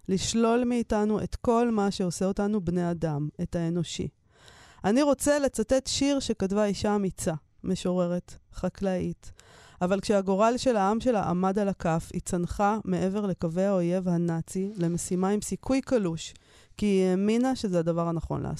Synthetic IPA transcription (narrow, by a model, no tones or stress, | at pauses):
liʃlo̞lmeitanuʔe̞tko̞lmaʃe̞o̞se̞o̞tanubne̞jadame̞thae̞no̞ʃḭ | ʔaniʁo̞t͡se̞let͡sate̞tʃiʁʃe̞katvaiʃamit͡sa | me̞ʃo̞ʁe̞ʁe̞tχaklaitavalkʃeaɡo̞ʁalʃe̞laamʃe̞la̰ʔa̰madalakafḭt͡sanχame̞ʔe̞ve̞ʁle̞kave̞ao̞je̞vhanat͡sile̞mesimaimsikʰujkaluʃ | kieminaʃe̞zeadavaʁanaχo̞̰nlʔa̰a̰